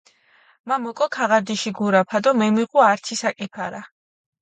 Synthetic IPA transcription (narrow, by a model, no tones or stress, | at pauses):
mamɔkʼɔkʰaʁaɾd̪iʃiɡuɾapʰad̪ɔmɛmiʁʼuaɾt̪sʰisakʼipʰaɾa